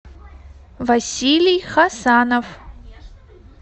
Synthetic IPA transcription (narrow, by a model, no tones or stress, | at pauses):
vɐsʲiːlijχasaːnov